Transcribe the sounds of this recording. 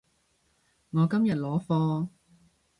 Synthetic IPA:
ŋɔː˨˧kɐ˥mjɐ˨t̚lɔː˨˥fɔː˧

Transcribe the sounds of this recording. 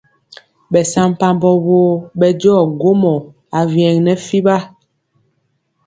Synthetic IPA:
ɓɛ˨sa˦m˨pa˨mbɔ˨woː˨˦ɓɛ˨d͡ʒɔː˦˨ɡo˦mɔ˨ | a˨vjɛ˨ŋnɛ˨fi˦ba˦

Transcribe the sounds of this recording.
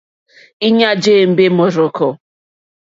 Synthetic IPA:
i˦ɲa˦d͡ʒeː˦˨m̩˨be˦mʊ˨ɾʊ˨kɔ˦

